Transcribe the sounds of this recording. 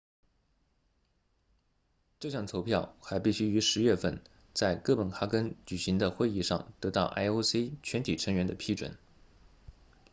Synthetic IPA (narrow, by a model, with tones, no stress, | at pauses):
ʈ͡ʂɤ˥˧ɕjɑ˥˩ŋt͡sʰo˧˥ʊpʰjɑ˥˩ʊxa˧˥ɪpi˥˩ɕy˥y˧˥ʂɻ̩˧˥ɥɛ˥˧fə˥˧˩n | t͡sa˥˧ɪkɤ˥˩pə˨˩nxa˥kə˥nt͡ɕy˨˩ɕi˧˥ŋd̪ə˧xwe˥˧ɪi˥˧ʂɑ̰˥˩ŋt̪ɤ˧˥t̪ɑ˥˩ʊʔa̰˥ɪo˥se˥ɪt͡ɕʰɥɛ˧˥nt̪ʰi˨˩ʈ͡ʂʰɤ˧˥ŋɥɛ˧˥nd̪ə˧pʰi˥ʈ͡ʂwə̰˨˩n